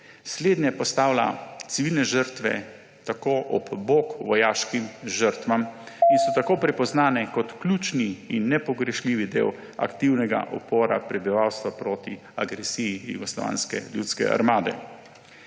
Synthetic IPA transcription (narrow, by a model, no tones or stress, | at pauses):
sleːd̪nʲjɛpɔst̪aːwla̰t̪siʋilnɛʒəɾt̪ʋɛ̰ | t̪akoːʔɔ̰bboːkʋɔjaːʃkimʒəɾt̪ʋam | insɔt̪akoːpɾɛpɔznaːnɛkɔt̪klʲuːt͡ʃniinːɛpɔɡɾɛʃliːʋid̪ḛːw | a̰kt̪iwnɛɡa̰ʔɔpoːɾa̰pɾɛbiʋaːwst̪ʋapɾoːt̪i | aɡɾɛsijijṵɡɔslɔ̰ʋa̰ːnskɛ̰ljuːt̪skɛ̰ʔa̰ɾmaːd̪ɛ̰